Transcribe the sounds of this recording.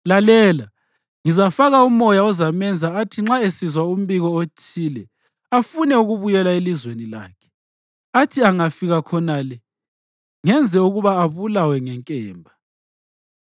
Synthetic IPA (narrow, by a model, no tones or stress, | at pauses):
lalɛːla | ŋizafaɣaumɔjaɔzamɛnd͡zʱaːtʰiŋ͡ǁaesizwaum̩βiɣɔot͡ʃʰiːlɛ | afunɛuɣuβujɛlaelizwenila̰ːkʰɛ̥ | atʰiaŋafiɣakʰɔnalɛ | ŋɛnd͡zʱɛuɣuβaːβulawɛŋɛŋkʼɛːmbʱa